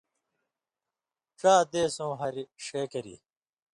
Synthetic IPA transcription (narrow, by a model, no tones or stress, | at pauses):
ʈ͡ʂaːd̪eːsõːɦɐɾiʂeːkɐɾḭ